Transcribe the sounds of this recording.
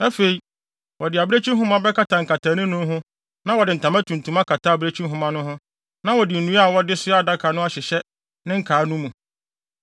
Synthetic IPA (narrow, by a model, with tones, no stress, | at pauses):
æ˦fe˨i˨ | wɔ˨dɪ˨a˨bɪ˦ɾe˦t͡ɕʰᶣĩ˦ɦʊ̃˦mã˦bɛ˦ka˦tʰa˨ŋ̩˨kʰa˨tʰa˨˦nʊ̃˦nʊ̃˦ɦʊ̃˦ | nã˦wɔ˨dɪ˨n̩˨tʰã˨mã˦tʰũ˨n˨tʰũ˨˦ma˦kʰa˨tʰa˦˨bɾe˦t͡ɕʰĩ˦ɦʊ̃˦mã˦nʊ̃˦ɦʊ̃˦ | nã˦wɔ˨dɪ˨n̩˨nũ˦a˦˨wɔ˦dɪ˦sʊ˦a˦˨da˦kʰa˨nʊ̃˦a˨ɕɪ˨ɕɛ˦ | nɪ̃˦ŋ̩˦kʰaː˨˦nũ˦mũ˨